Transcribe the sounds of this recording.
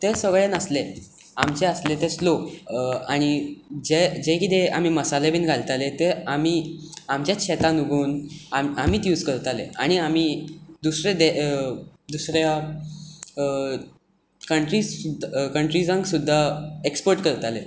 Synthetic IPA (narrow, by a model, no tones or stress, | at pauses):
t̪esəɡɭenəsle | amt͡ɕeəslet̪eslo | aɽ̃id͡ʑed͡ʑekit̪ea̰m̤iːməsalebiːnɡʱalt̪alet̪eamiːamt͡ɕjaɕʰet̪ãnuɡʱuːnamam̤iːt̪juːd͡zkəɾt̪alḛaɽ̃iam̤iːd̪usɾed̪e | d̪usɾja | kəɳʈɾiukəɳʈɾid͡zãŋɡsud̪ʱːaekspəɾʈkəɾt̪ale